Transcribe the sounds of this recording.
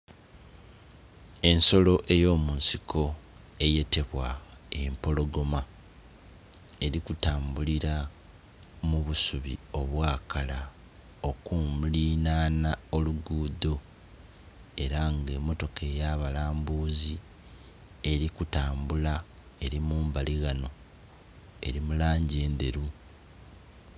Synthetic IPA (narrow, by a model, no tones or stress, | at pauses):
e̞nso̞lo̞ʔe̞jo̞ːmuːnsikʰo̞ | e̞je̞te̞βwaempo̞lo̞ɡo̞ma | e̞ɾikutaːmbuliɾa | muβusuβio̞βwaːkala | o̞kumliːnaːnao̞luɡuːd̪o̞ | e̞ɾaŋɡe̞mːo̞to̞ke̞jaːβalaːmbuːzi | e̞ɾikutaːmbula | e̞ɾimuːmbaliɣano̞ | e̞̰ɾimulaːɲɟe̞ːnd̪e̞ɾu